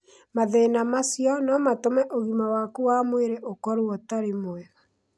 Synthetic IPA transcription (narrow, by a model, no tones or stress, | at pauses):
maðenamasjɔnɔmatomɛʔoɣimawakuwamweɾɛʔokɔɾoɔtaɾemwɛɣa